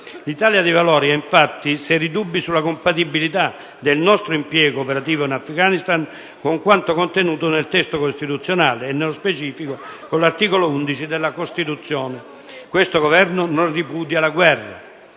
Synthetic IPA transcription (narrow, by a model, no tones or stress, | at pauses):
lit̪aːljad̪ivalɔːɾiaiɱfat̪ːisɛɾid̪ubːisulːakompat̪ibːilit̪a | d̪elnɔst̪ɾoimpjɛːɡoːpeɾat̪iːvoinafkanist̪an | koŋkwant̪okont̪enuːt̪onelt̪ɛst̪okost̪it̪ut̪sːjonaːleːnːelospet͡ʃiːfikokolːart̪iːkolound̪it͡ʃid̪elːakost̪it̪ut̪sːjɔːnɪ | kwest̪oɡovɛrnonoripuːd̪jalaɡwɛrːa̰